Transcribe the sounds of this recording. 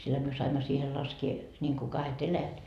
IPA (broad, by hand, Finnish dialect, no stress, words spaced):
silhæ myø sɑimːɑ siːhe lɑskie nʲiŋku kɑhet elæjæt